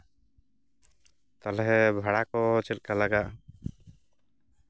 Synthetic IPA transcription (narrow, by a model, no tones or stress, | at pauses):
t̪alɛɦɛbʱaɽakɔt͡ʃɛt̪̚kalaɡaʔ